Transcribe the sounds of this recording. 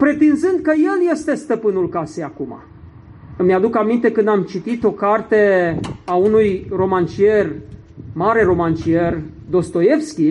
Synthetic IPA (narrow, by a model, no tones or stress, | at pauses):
pɾe̞t̪inzɨnd̪̚kəje̞lje̞st̪e̞st̪əpɨnulkasejakuma̰ | ɨmːjad̪ukamint̪e̞kɨnd̪amt͡ʃit̪it̪o̞kart̪e̞aunujro̞mant͡ʃierʲ | maɾe̞ɾo̞mant͡ʃier | d̪o̞st̪o̞je̞fskʲi